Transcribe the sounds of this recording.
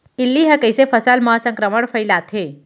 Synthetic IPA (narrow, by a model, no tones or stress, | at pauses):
ilːiɦəkəjsefʰəsalməɦasə̃ŋkɾəməɽfʰəjlat̪ʰe